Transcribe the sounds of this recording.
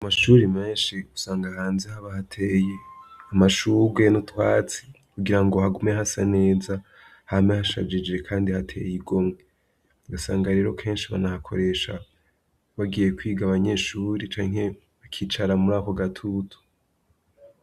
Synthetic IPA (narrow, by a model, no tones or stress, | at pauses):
amaʃuɾimeːnʃiusaːŋɡahaːnzehaβahatʰeːje̞amaʃuɾɡwe̞notwaːt͡si̥ | kuɡiɾaŋɡo̞haɡumeɦasane̞ːza | hamehaʃa̰d͡ʒid͡ʒe̞kʰaːndihatʰḛjiɡo̞mŋe | ɡasaːŋɡaɾe̞ːɾo̞kʰe̞ːnʃiβa̰nahakʰo̞̰ɾe̞ʃa | βaɡije̞kwiːɡaβaɲe̞ːʃuːɾit͡ʃaːŋ̥e̞ | βakʰiːt͡ʃaɾamuɾaːko̞ɡatʰutʰu̥